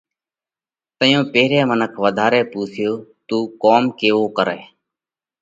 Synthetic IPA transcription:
t̪əjõːpeːɾeːmənəkʰʋəd̪ʱaːɾeːpuːsʰjoːt̪uːkoːmkeːʋoːkəɾḛː

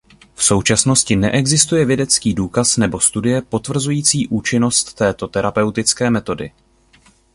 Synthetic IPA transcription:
fso̞wt͡ʃasno̞scɪnɛʔɛɡzɪst̪ujɛvjɛdɛt͡skiːduːkasnɛbo̞st̪udɪjɛpo̞t̪vr̩zujiːt͡siːʔuːt͡ʃɪno̞st̪ːɛːt̪o̞t̪ɛɾapɛwt̪ɪt͡skɛːmɛt̪o̞dɪ̰

